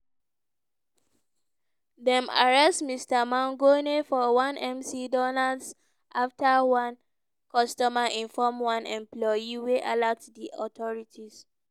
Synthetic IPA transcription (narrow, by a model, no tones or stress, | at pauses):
dɛ̃ma̰ɹɛstmistamãŋɡonefɔwãnɛ̃msidɔnads | ʔaftawãn | kɔstɔmaʔĩnfɔmwãnɛ̃mplɔjiweʔalaktdiʔɔtʰɔɹitʰis